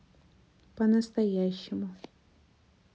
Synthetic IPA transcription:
pɐnɐst̪ɐjaɕːɪmʊ

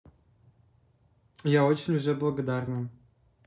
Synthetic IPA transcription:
jaot͡ɕɪnʲuʐɛblˠɐɡod̪ɑrnɨm

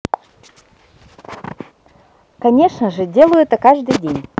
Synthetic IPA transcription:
kɐnʲeʂnəʐɨdʲelˠəjʊɛt̪əkaʐd̪ɨjdʲenʲ

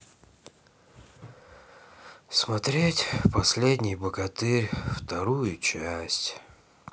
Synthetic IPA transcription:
smɐt̪ɾʲetʲpɐsʲlʲedʲnʲɪjbəɡɐt̪ɨɾʲft̪ɐɾujʊt͡ɕæsʲtʲ

